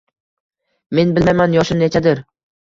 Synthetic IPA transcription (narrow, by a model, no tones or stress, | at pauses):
me̞nbɪlmajmanjɒʃɪmnet͡ʃʰad̪ɪɾ